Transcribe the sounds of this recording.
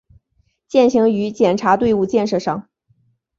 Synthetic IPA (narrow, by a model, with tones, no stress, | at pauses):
t͡ɕjɛ˥˩nɕi˧˥ŋy˧˥t͡ɕjɛ˨˩nʈ͡ʂʰa˧˥t̪we˥˧ɪu˥˧t͡ɕjɛ˥˧nʂɤ˥˧ʂɑ˥˩ŋ